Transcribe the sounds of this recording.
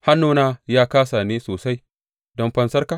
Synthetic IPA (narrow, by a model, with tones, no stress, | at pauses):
ha˦nːoː˦naː˦jaː˦kaː˦sa˨neː˦soː˨sa˦j | dɔ˦mɸɐ˦nsɐ˦rka˨